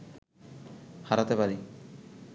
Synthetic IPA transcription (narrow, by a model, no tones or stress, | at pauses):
haɾat̪epaɾi